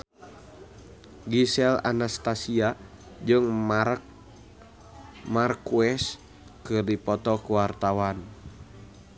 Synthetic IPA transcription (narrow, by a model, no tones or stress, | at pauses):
ɡisɛla̰nast̪asia | d͡ʒɨŋ | markuɛs | kɨrdipɔt̪ɔkuwart̪awan